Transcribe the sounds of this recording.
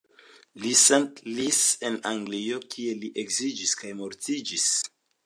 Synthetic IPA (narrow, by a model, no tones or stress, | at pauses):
lisentlisenaŋɡliokʰie̞liʔekzid͡ʒiskajmo̞ɾtid͡ʒis